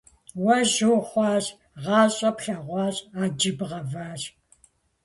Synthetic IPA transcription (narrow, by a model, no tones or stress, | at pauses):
wɐʑuːχʷɑːɕ | ʁɑːɕʼɐpɬɐʁʷɑːɕaːd͡ʒɪbʁɐvaːɕ